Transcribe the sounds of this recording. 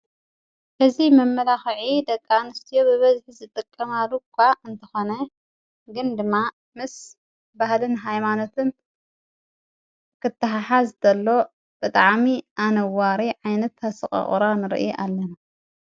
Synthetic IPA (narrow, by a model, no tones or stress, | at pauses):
ʔɐzimɐmːɐlaxʕid̪ɐkʼːanɨst̪ʰijobɨβɐzħizɨt̪ʼɨkʼːɐmalukʰʷːaɨnt̪ʰɐxo̞nɐ | ɡɨnd̪ɨmːa | mɨs | bahlɨnɦajmano̞t̪ʰɨn | kʰɨt̪ːɐɦaħazd̪ɐlːo̞ | b̥ɨt̪ʼaʕmiʔanɐwaɾiʕajnɐt̪ːasɨχʼɐ̰χʼɾanɨɾ̰ʔʔalːɐna